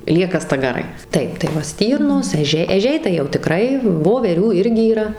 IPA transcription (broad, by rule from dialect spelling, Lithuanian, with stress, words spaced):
ˈlʲiɛkɐ stɐɡɐˈrɐɪ ˈtɐɪp tɐɪ ˈʋɐ ˈsʲtʲiːrnoːs ɛˈʒʲɛɪ ɛˈʒʲɛɪ tɐɪ jɛʊ tʲɪˈkrɐɪ ʋoːʋʲɛˈrʲuː ˈɪrʲɡʲɪ iːˈrɐ